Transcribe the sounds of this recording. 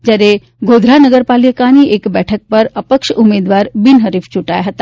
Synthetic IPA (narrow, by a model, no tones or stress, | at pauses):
d͡ʑaɾe | ɡʱod̪ʱɾanəɡəɾpaljəkaniːʔekbɛʈʰək̚pəɾəpəkʃəumed̪ʋaɾbinɦəɾift͡ɕuʈajɦət̪a